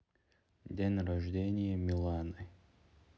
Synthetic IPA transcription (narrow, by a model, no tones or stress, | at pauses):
d̪ʲenʲrɐʐdʲenʲɪjəmʲɪlˠanɨ